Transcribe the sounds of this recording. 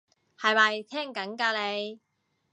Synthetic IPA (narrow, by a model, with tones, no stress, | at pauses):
hɐ˨jmɐ˨jt̪ʰɛː˥ŋkɐ˨˥nkaː˧le˨˧j